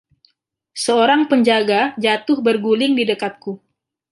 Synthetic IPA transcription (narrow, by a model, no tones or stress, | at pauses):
səoɾaŋpəɲd͡ʒaɡad͡ʒat̪ʊhbərɡulɪŋdidəkat̪̚ku